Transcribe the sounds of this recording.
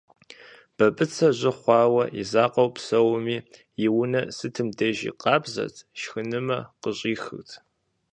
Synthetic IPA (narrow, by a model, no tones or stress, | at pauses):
b̥ɐpʼɨt͡sʰɐʑɪχʷɑːwɐʔḭzaːqʼɐwpsɐwmiː | jɪwʊnɐsɨtʰɨmdɐʒḭːqɑːbzɐ̰tʰʃxɨnɨmɐqəɕʼiːxɨ̰tʰ